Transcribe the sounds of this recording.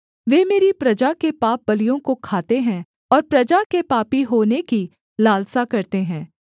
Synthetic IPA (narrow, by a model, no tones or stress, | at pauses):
ʋeːmeːɾipɾɐd͡ʒakepaːp̚bɐlijõkokʰaːt̪eɦɛ̃ | ɔːɾpɾɐd͡ʒakepaːpiɦoːneki | laːlsakɐɾt̪eɦɛ̃ː